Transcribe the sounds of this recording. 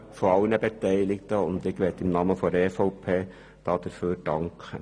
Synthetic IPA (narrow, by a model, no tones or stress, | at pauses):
fɔɑwənæbɛt̪ʰæɪlɪkt̪əɔnd̪ɪɡʋeːt̪ɪmnɑmːəfɔɾefɑʊpʰeː | t̪ʰɑːt̪əɾføːɾɖɑŋk